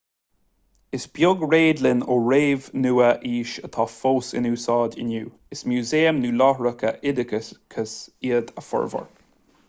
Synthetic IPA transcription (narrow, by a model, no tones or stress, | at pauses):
ɪsb̥jʊɡɹeːd̪lɪnoːɹeːvnuːəʔiːʃət̪ʰɑːfoːsɪ̰nuːsɑːdɪ̰nuː | ɪsmjuːzeːəmnuːlɔhɹəkʰəʔɪd̪əkəskʰəsiːəd̪əfɔ̰ɹvə̰ɹ